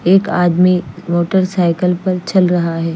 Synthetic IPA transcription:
eːkaːd̪mimoːʈəɾsaːɪkəlpɐɾt͡ʃɐlɾɐɦaɦɛː

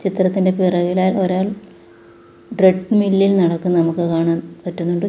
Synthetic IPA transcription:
t͡ɕit̪rɐt̪ːinde̞pirɐɣilaːloɾaːɭ | ɖreʈːɨmilːilnɐɽɐkːunnɐmukːɨkaːɳanpɐtːunːuɳɖɨ

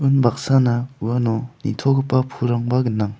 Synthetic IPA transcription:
ɯnbak̚sanauanɔnḭt̪ʰɔɡɯpːapʰuɾaŋbaɡɯnːaŋ

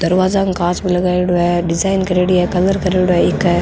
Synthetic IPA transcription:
d̪ɐɾʋaːzakkaːt͡ʃbilɐɡaːeɽoɦɛɖɪzaːɪnkɐɾeːɽiɦɛkɐləɾkɐɾeːɽoɦɛɪkː

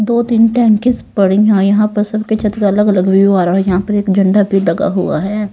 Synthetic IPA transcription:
d̪oːt̪iːnʈɛ̃ːŋkɪzpɐɽĩãːjɐɦãpɐɾsɐbket͡ʃʰɐt̪kaɐləɡɐləɡʋʋjuaːɾaɦɛjɐɦãpɐɾeːkd͡ʒɐ̃ɳɖabʱid̪ɐɡa̰ɦʊ̰a̰ɦɛː

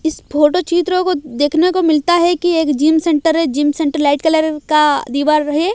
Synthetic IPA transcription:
ɪspʰoːʈot͡ʃiːt̪ɾõkod̪eːkʰnekomɪlt̪aɦɛkieːkd͡ʒiːmsɛ̃ɳʈəɾɛd͡ʒiːmsɛ̃ɳʈəɾlaːɪʈ̚kɛləɾkad̪iːʋaːɾːɐɦeː

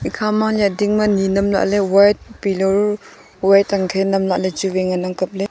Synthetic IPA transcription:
ikʰamaŋljat̚diŋmaninɐmla̰ʔlewajt̚pilɔɾ | wajtaŋkʰenɐmlaʔled͡ʒuweŋanaŋkɐp̚le

